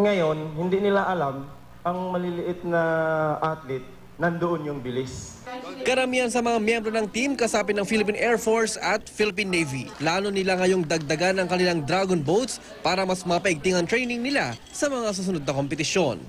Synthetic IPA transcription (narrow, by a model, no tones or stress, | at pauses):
ŋɐjo̞nhɪnd̪inɪlaʔɐlam | ʔɐŋmɐlɪlɪʔɪt̪̚nɐʔat̪lɪt̪̚ | nɐnd̪oʔonjʊŋbɪlɪs | kɐɾɐmiːhɐns̬ɐmɐŋamjɛmbɾo̞nɐŋt̪imkɐsaːpɪnɐŋfilɪp̬inʔɛɹfoɹsɐt̪̚filɪp̬inːejviplaːno̞nɪlaŋɐjo̞ŋd̪ɐɡ̚d̪ɐɡanːɐŋkɐnɪlaŋd̪ɾaɡonbowt̪s | paːɾɐmɐsmɐpɐʔɪɡ̚t̪ɪŋɐŋt̪ɾɛjnɪŋnɪla | sɐmɐŋas̬us̬ʊnod̪̚nɐko̞mpɛt̪ɪʃjo̞n